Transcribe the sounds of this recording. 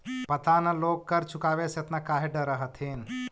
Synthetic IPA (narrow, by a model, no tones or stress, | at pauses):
pɐt̪anɐloːɡ̚kɐɾt͡ʃʰʊkaːʋeset̪nakaːɦeɖəɾəɦət̪ʰin